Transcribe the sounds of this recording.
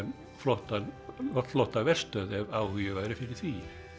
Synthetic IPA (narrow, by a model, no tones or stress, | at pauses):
n | flɔht̪anɔt̪flɔht̪avɛr̥st̪œːðɛvaːwhʏjʏvaðɾɪfɪɾɪθʰviːɪ̥